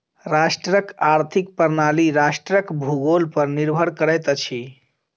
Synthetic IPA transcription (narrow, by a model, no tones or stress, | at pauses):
ɾasʈɾəkaɾt̪ʰik̚pəɾnaliɾasʈɾəkbʱuɡolpəɾniɾbʱəɽkəɾəjt̪ət͡ʃʰi